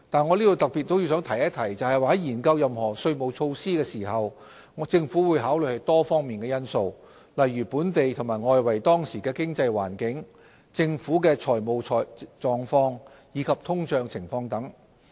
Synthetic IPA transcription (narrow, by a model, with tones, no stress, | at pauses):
t̪aː˨nŋɔː˨˧liː˥t̪o˨˧wt̪ɐ˨k̚pi˨t̪̚ːo˥wji˧sœː˨˥ŋt̪ʰɐ˨˩jɐ˥t̪ʰɐ˨˩jt͡sɐ˨˧whɐ˨jwaː˨˧hɐ˨˥jiː˨˩nkɐ˧wjɐ˨mhɔː˨˩sɵ˧ɥmo˨wt͡ʃʰo˧wsiː˥kɛː˧siː˨˩ɦɐ˨w | ŋɔ˨˧˥t͡sɪ˧ŋfuː˨˥wuː˨˧jɦaː˨˥wlɵ˨˧ɥhɐ˨˧jt̪ɔː˥fɔː˥ŋmiː˨nkɛː˧jɐ˥nso˧w | lɐ˨jːyː˨˩puː˨˥nt̪e˨jt̪ʰʊ˨˩maː˨˩jŋɔː˧jwɐ˨˩jt̪ɔː˥ŋsiː˨˩kɛː˧kɪ˥ŋt͡sɐ˧jwa̰ː˨˩nkɪ˨˥ŋ | t͡sɪ˧ŋfuː˨˥kɛː˧t͡ʃʰɔː˨˩jmo˨wʰt͡sɔː˨˩ŋfɔː˧ŋ | jiː˨˧kʰɐ˨p̚t̪ʰʊ˥ŋt͡ʃœː˧ŋt͡sʰɪ˨˩ŋfɔː˧ŋt̪ɐ˨˥ŋ